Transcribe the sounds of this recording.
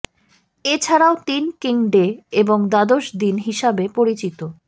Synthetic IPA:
et͡ɕʰaɾaot̪inkiŋɖeeboŋd̪ad̪oʃd̪inɦiʃabepoɾit͡ɕit̪o

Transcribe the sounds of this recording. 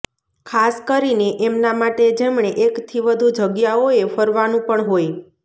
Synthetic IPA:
kʰaskəɾineʔemnamaʈed͡ʒemɳ̃eʔekt̪ʰiʋəd̪ʱud͡ʒəɡjaoefəɾʋanũpəɳɦoj

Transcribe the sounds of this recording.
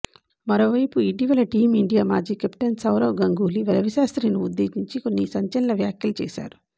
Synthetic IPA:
mɐɾoːʋɐjpuiʈ̬iʋɐlɐʈiːmiɳɖijaːmaːɾd͡ʒiːkepʈɐnsɐwɾɐwɡɐŋɡuːliʋɐlɐʋiʃaːst̪ɾiːnuud̪ːeːsiɲt͡ʃiko̞nːisɐɲt͡ʃɐlɐnɐʋjaːkjɐlut͡ʃɛ̰ːʃa̰ːɾu

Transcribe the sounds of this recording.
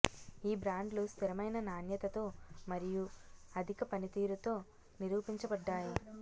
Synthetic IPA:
iːbɾaːɳɖlust̪ʰiɾɐmɐjnɐnaːnjɐt̪ɐt̪o̞ːmɐɾijuɐd̪ʱikɐpɐnit̪iːɾut̪o̞ː | niɾuːpiɲt͡ʃɐbɐɖːaːji

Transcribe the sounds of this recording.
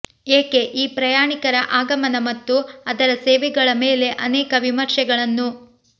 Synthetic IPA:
eːke̞ʔiːpɾɐjaːɳikɐɾɐʔaːɡɐmɐnɐmɐt̪ːuɐd̪ɐɾɐseːʋɛɡɐɭɐmeːle̞ʔɐnɛːkɐʋimɐɾʃɛɡɐɭɐnːu

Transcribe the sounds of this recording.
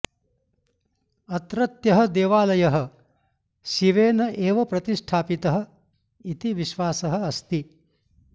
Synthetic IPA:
ɐt̪ɾɐt̪jɐɦɐ̆d̪eːʋaːlɐjɐɦɐ̆ | ʃiʋeːnɐʔeːʋɐpɾɐt̪iʂʈʰaːpit̪ɐɦɐ̆ | it̪iʋiʃʋaːsɐɦɐ̆ɐst̪i

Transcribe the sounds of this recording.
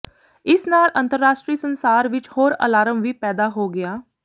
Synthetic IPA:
ɪsnaːlʔə̃nt̪əɾːaːʃʈɾiːsənsaːɾʋɪt͡ʃhoːɾə̰laːɾəmʋiːpɛːd̪aːɦoːɡɪaː

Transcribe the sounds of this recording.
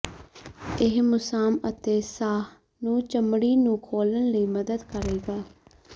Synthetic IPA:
ɪɦmʊsaːmət̪eːsaːh | nũːt͡ʃəmɽiːnũːkʰoːlənləiːməd̪əd̪kəɾeːɡaː

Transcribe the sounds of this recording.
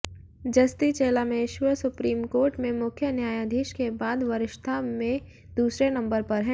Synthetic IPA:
d͡ʒɐst̪it͡ʃeːlamẽɪʃʋəsʊpɾiːmkoːɾʈmẽmʊkʰjənjaːjad̪ʱiːʃkebaːd̪ʋɐɾɪʃt̪ʰamẽ | d̪uːsɾenɐ̃mbəɾpɐɾɦɛ̃ː

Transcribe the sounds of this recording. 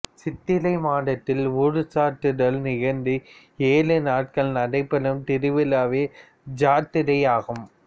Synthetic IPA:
sɪt̪ːɪlɐɪmaːɽɐt̪ːɪlʊɻɯsaːʈːɯɽɐlnɪɣɐnd̪ɯ | eːlɯnaːʈ̚kɐɭnɐɽɐɪpːɐlɯmt̪ɪɾɯʋɪlaːʋeː | d͡ʒaːt̪ːɪɾɐjaːɣɯm

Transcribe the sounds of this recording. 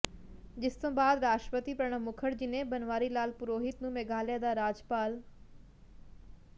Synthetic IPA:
d͡ʑɪst̪õːbaːd̪ɾaːʃʈɾəpət̪ipɐɾɽ̃əmʊkʰəɽd͡ʑinẽbɐnʋaːɾilaːlpʊɾoːɦɪt̪nũmeːɡaːljad̪aɾaːd͡ʑpaːl

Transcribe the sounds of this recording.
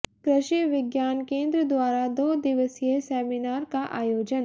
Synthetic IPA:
kɾəʃiʋɪɡjaːnkẽːnd̪ɾəd̪waːɾad̪oːd̪ɪʋəsjesɛːminaːɾkaʔaːjoːd͡ʒən

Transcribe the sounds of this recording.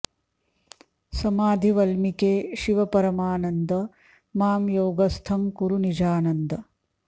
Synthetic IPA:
sɐmaːd̪ʱiʋɐlmikeːʃiʋɐpɐɾɐmaːnɐnd̪ɐ | maːmjoːɡɐst̪ʰɐmkuɾunid͡ʒaːnɐnd̪ɐ

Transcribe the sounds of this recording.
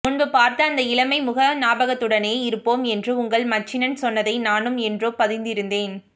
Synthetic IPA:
mʊɳbɯpaːɾt̪ɐːnd̪ɐɪɭɐmɐɪmʊɣɐnaːbɐɣɐt̪ːɯɽɐneːɪɾɯpːoːmɛndrɯʊŋɡɐɭmɐt͡ʃːɪnɐnsɔnːɐðɐɪnaːnɯmɛndroːpɐðɪnd̪ɪɾɯnd̪eːn

